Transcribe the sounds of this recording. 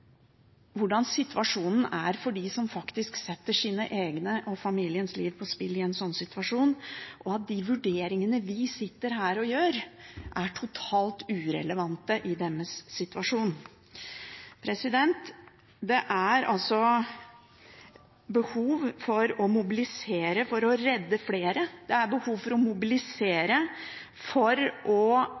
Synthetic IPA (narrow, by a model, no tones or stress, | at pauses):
ʋʊɖɑnsɪt̪ʰʋɑʂuːnn̩æɾfɔɖisɔmfɑkt̪ɪsksɛt̪ːəʂiːnə̰ʔeːɡnəʔɔfɑmiːlɪənsliːʋpʰɔspɪlːɪɛnsɔnːsɪt̪ʰʉɑʂuːnʔɔɑt̪̚d̪iʋʉɖeːɾɪŋənəʋɪsɪt̪ːəɾɦæːɾɔjøːɾʔæʈʰʊt̪ʰɑːlt̪ʉːɾɛ̰ləʋɑnt̪əʔɪd̪ɛnːəsːɪt̪ʉɑʂuːn | pʰɾɛsɪd̪ɛnt̪ | d̪ɛʔæɾʔɑ̰lsɔ | bəhuːʋfɔɾɔmʊbɪlɪseːɾəfɔɾɔɾɛd̪ːəfleːɾəd̪̥ɛæɾbəhuːʋfɔɾɔmʊbɪlɪseːɾə | fɔɾʔɔ